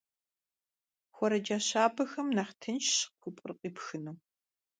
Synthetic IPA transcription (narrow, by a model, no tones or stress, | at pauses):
xʷɔɾɐd͡ʒaɕaːbɐxɐmnaχtʰɐnʃɕkʷʰʊpʼrqʼiːpxɨnɐː